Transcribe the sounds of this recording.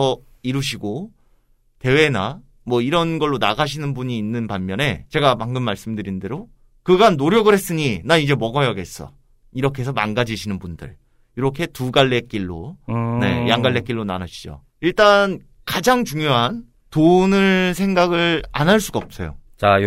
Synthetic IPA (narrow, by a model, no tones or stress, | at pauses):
ʌ | iɾuɕ̬ʰiɡo | te̞we̞na | mwʌiɾʌnɡʌɭːona̰ɡaɕ̬ʰinɯnbuɲiːnːɯnpanːjʌne̞t͡ɕe̞ɡamaŋɡɯmːaɭs͈ɯmdɯɾinde̞ɾo | kɯɡanːoɾjʌɡɯɾɦe̞s͈ɯɲinaid͡ʑe̞mʌɡʌjʌɡe̞s͈ʌ̰ | iɾʌkʰe̞sʰʌma̰nɡad͡ʑiɕʰinɯnbundɯ̰ɭ | iɾʌkʰe̞tuɡaɭːe̞k͈iɭːo̰ne̞̰jaŋɡaɭːe̞k͈iɭːonanaɕʰi̥d͡ʑo̰ | iɭt͈an | kad͡ʑaŋt͡ɕuŋjoɦan | tonɯɭs̬ʰe̞ŋɡaɡɯɭa̰nɦaɭs͈uɡaʌp̚s͈ejo̰t͡ɕa